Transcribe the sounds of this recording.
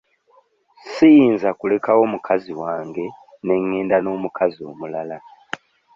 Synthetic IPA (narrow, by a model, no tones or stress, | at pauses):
sijiːnzakule̞kawo̞ːmukʰaziwaːŋɡe̞ | ne̞ŋːeːndano̞ːmukʰazio̞̰ːmulala